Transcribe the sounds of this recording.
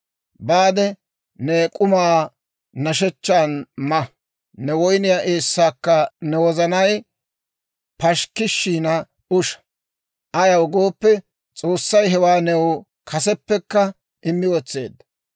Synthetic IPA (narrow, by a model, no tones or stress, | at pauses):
baːd̪ɛ | nekʼʊmaː | nɐʃ̬ɛt͡ʃːaːnmɐ | nɛwɔjnɪjaːʔeːsːaːkːɐnɛwɔzɐnɐj | pɐʃkɪʃːiːnɐ | ʊʃɐ̥ | ʔɐjɐwɡoːpːɛ | t͡sʼoːsːɐjɦɛwaːnɛw | kʰɐsɛpːɛkːɐ | ʔɪmːɪwɔt͡sːe̞̰ːd̪ːɐ